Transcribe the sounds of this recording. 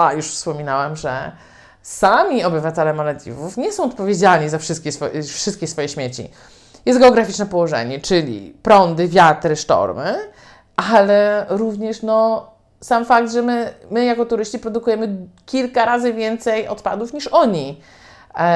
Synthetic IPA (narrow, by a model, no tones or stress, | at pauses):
ajuʂfspɔmʲinawɛmʐɛ̰ | samʲiɔbɘvat̪ɛlɛmalad̪ʲḭvufɲɛsɔ̃w̃ɔt̪̚pɔvʲjed͡ʑaɲizafʂɘst̪kʲɛsfɔfʂɘst̪̚kʲɛsfɔjɛɕmʲjet͡ɕḭ | jɛst̪ɡɛɔɡɾafʲit͡ʂnɛpɔwɔʐɛ̰ɲɛt͡ʂɘlʲḭpɾɔnd̪ɘvʲjat̪ɾɘʂtɔ̰ɾmɘ | ʔalɛɾuvɲɛʂnɔ | samfaɡ̚d̪ʐɛmɘmɘjakɔt̪uɾɘɕt͡ɕipɾɔd̪ukujɛmɘkʲilkaɾazɘvʲjɛnt̪sɛjɔ̰t̪pa̰d̪ufɲiʂɔɲi